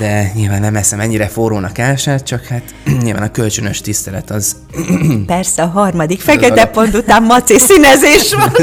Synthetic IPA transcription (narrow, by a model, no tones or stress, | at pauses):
d̪ɛɲilvaːnːɛmɛsɛmɛɲːiɾɛforoːnɒkaːlʃaːt̪̚t͡ʃɒkhaːt̪ɲilva̰ːnɒkø̞lt͡ʃønøʃt̪ist̪ɛlɛt̪ɒz | pɛrsɛɒɦɒrmɒd̪ikfɛkɛt̪ɛpo̞nt̪ut̪aːmːɒt̪sisinɛzeːʃʋɒn